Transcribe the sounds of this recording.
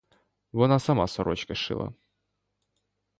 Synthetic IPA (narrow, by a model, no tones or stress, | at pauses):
vɔnasɐma̰sɔɾɔt͡ɕkɐʂɨ̰lˠa̰